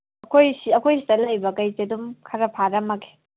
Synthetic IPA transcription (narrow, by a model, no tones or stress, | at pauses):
ɐkʰojsiɐkʰojsi̥tɐlɐjbɐkɐjtedumkʰɐɾɐpʰaɾɐmɐke̥